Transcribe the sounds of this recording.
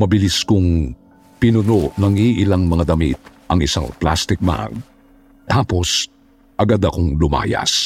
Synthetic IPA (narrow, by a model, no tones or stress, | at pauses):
mɐbɪliskʊŋ | pɪnʊnoʔnɐŋiʔɪlaŋmɐŋad̪ɐmḭt̪̚ | ʔɐŋɪsa̰ŋpla̰st̪ɪk̚ma̰ɡ̚ | t̪ʰaːpo̞s | ʔɐɡad̪ɐkoŋlʊma̰ːjɐ̰s